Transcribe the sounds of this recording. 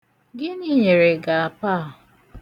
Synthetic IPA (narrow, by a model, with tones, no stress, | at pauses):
ɡɪ˦niː˦˨ɲe˨ɾe˨ɡa˨a˨pa˦˨